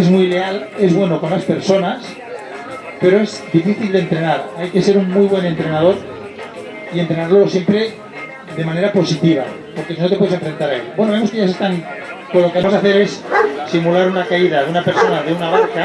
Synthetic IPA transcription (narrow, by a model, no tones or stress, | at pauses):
ezmujleale̞zβwe̞no̞ko̞nlaspe̞ɾso̞nas | pe̞ɾo̞e̞zd̪ifiθild̪ent̪ɾe̞naɾajke̞se̞ɾuŋmujβ̞we̞ne̞nt̪ɾe̞nað̞o̞ɾ | ie̞nt̪ɾe̞naɾlo̞sje̞mpɾe̞ | d̪e̞mane̞ɾapo̞sit̪iβ̞a̰ | po̞ɾke̞sinot̪epwese̞ɱfɾe̞nt̪aɾaḛbwe̞noβemokeʝasest̪aŋ | konlokeas̬aθe̞ɾe̞ssimulaɾunakaiðaðeunape̞ɾso̞naðeunaβ̞aɾka